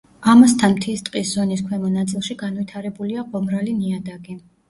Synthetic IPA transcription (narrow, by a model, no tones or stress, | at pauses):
amast̪ʰanmt̪ʰist̪ʼqʼiszɔniskʰwɛmɔnat̪sʼilˠʃiɡanvit̪ʰaɾɛbuliaqɔmɾaliniad̪aɡi